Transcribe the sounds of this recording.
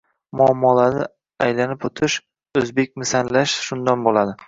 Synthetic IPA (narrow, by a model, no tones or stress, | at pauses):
mʊɒmːɒlanɪ | ajlanɪpot̪ʰɪʃ | ɵzbe̞k̚ʲmɪsanlaʃʃʊnd̪anbolad̪ɪ